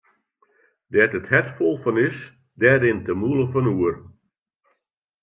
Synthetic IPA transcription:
dɛtəthɛtfɔlˠfɔnɪs | dɛːɾɪntəmulˠəfɔnuər

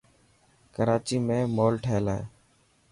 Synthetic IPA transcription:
kəɾaːt͡ʃiːmẽːmoːlʈʰeːɪlaːḛː

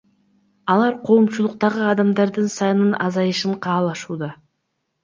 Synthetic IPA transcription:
ɑlˠɑɾqʰo̞mʃulˠʊq̚t̪ɑʁəɑd̪ɑmd̪ɑɾd̪ənsɑjnənʔɑzɑjəʃəɴqʰɑːlˠɑʃuːd̪ɑ

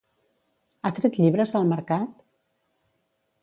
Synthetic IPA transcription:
at̪ɾɛt̪ʎiβɾəzəlˠməɾkat̪

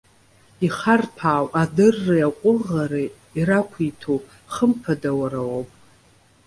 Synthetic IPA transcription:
iχarpʰaːwʼadɨrːɨaqʷʼʊʁaɾi | iɾakʷʰitʰo | χəmpʰadawaɾawopʼ

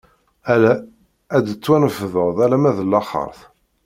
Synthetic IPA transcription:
ælæ | æd̪ət͡sːwænəfðəʁðˤælæmæðəlːɑχə̰ɾˤθ

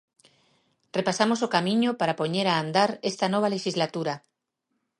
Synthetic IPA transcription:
repasamosokamĩɲopaɾapoɲeɾaːnd̪aɾest̪anɔβ̞aleʃizlat̪uɾa

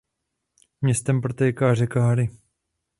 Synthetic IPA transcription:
mɲɛst̪ɛmpɾot̪ɛjkaːrɛkaɦaɾɪ

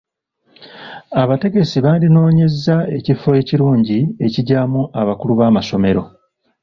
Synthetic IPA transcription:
aβate̞ɡe̞siβaːndino̞ːɲe̞zae̞cifːo̞je̞ciɾuːɲɟie̞ciɟaːmuʔaβakuluβaːmaso̞me̞ɾo̞

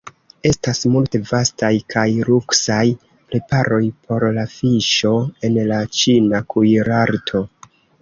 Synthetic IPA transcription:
e̞stasmulte̞vastajkʰajɾuksaj | pɾe̞paɾo̞jpʰo̞ɾlafiʃo̞e̞nlat͡ʃinakujɾaɾtʰo̞

